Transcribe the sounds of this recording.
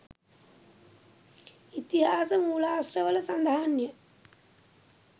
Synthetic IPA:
it̪iɦaːsəmuːlaːsrəʋələsand̪ʱaɦanjə

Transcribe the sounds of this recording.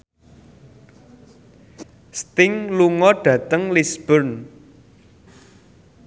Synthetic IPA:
st̪ɪŋluŋɔɖ̥ä̤t̪əŋlisb̥ərn

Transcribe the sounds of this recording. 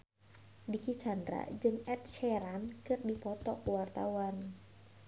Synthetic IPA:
dikit͡ʃand̪ɾa̰d͡ʒɨŋɛt̪̚ʃɛɾankɨrdipɔt̪ɔkəwart̪a̰wan

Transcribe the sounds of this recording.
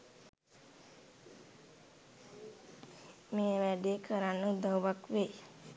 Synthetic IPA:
meːʋæɖeːkʰəɾanːəud̪awʋakʋeː

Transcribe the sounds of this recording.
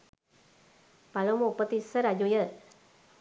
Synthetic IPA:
palomopət̪isəɾad͡ʒujə

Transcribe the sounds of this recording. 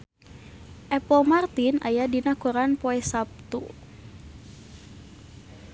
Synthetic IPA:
ʔɛpɔmart̪ina̰jadinakuɾanpɔɛsap̚t̪ṵ

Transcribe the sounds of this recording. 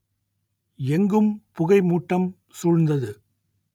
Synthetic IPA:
ɛŋɡɯmpʊɣɐɪmuːʈːɐm | suːɻnd̪ɐðɯ

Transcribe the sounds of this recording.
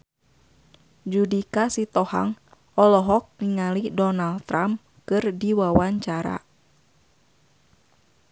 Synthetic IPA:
d͡ʒudikasit̪ɔha̰ŋ | ɔlɔɦɔk̚niŋalidɔnaldt̪ɾam | kɨrdiwawaɲt͡ʃaɾa̰

